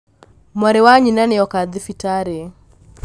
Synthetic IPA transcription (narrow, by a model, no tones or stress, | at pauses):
mɔɾɛwaɲinanɪɔkad̪ɪfitaɾe